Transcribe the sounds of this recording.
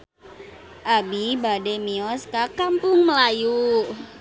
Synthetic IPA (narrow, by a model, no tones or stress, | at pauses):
ʔabibademiɔskakampʊŋməlaju